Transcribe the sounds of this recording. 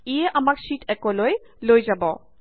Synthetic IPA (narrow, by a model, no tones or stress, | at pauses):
ijɛʔamaksitʰɛkɔloj | lojzabɔ